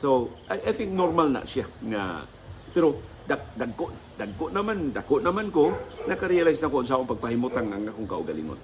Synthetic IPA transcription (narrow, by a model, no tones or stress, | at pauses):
soʔajʔajθɪŋk̚noɾmalna̰ʔsiaŋa̰ | pɛɾo | dadaɡ̚koʔ | d̪aɡkoʔnamand̪akoʔnamankonakaɾialajsnakoʔonsaʔoŋpaɡ̚pahimut̪aŋaŋakoŋkaṵɡalḭŋo̰n